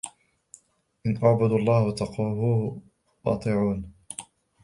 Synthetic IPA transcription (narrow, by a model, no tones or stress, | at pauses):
ʔɪnʔɑʕbʊd̪ɑlˤːɑːht̪ɑquɦuː | ʔɑ̰t̪ˤɨːʕuːn